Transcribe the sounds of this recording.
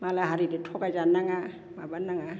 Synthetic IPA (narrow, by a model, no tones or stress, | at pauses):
malaɦaɾiditʰɔɡazanːaŋa | mabanːaŋa